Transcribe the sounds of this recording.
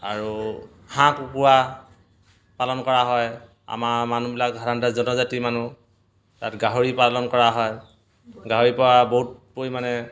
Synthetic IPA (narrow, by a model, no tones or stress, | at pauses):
a̰ɹu | hãkupuwa | palɔnkɔɹaɦɔj | a̰mamanubilak̚ɦaɾantazɔnɔzatimanu | tatɡaɦoɹipalɔnkɔɹaɦɔj | ɡaɦoɹipɔwaboɦt̚pojmanɛ